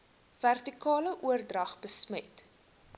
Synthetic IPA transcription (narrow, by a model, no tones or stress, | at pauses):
værtikɑːləʔuərdrɐχbəsmət